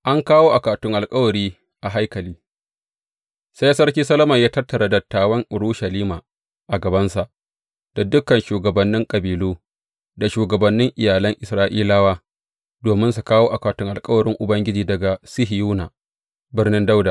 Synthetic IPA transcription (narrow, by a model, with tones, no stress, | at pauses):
ʔa˦ŋkaː˦woː˦ʔa˨kaː˨tʊ˦ŋʔa˨lkʼɐ˦wɐ˨ɾiː˦ | ʔa˨ɦa˦jkɐ˨liː˦ | sa˦ja˦sɐ˦ɽkʲiː˦sɐ˦lɐ˦mɐ˨jaː˦tɐ˦rtːɐ˨ɾa˨dɐ˨tːaː˦wɐ˦ŋʔʊ˨ɾuː˦ʃɐ˨liː˦maː˨ | ʔa˨ɡɐ˨bɐ˦nsa˨ʔ | d̥a˨dʊ˦kɐ˨nʃuː˨ɡɐ˨bɐ˨nːɪ˦ŋkʼɐ˨biː˨luː˦ | da˨ʃuː˨ɡɐ˨bɐ˨nːɪ˦ŋʔɪ˨jaː˨lɐ˦ŋʔɪ˨sɾaː˦ʔiː˦laː˦waː˦ | doː˨mɪ˦nsu˨kaː˦woː˦ʔa˨kaː˨tʊ˦ŋʔa˨lkʼɐ˦wɐ˨ɽɪ˦ŋʔʊ˨bɐ˦ŋɡʲɪ˦d͡ʒiː˨dɐ˨ɡa˨sɪ˦ɦɪ˨juː˦na˨ | bɪ˦rnɪ˦nda˦wda˨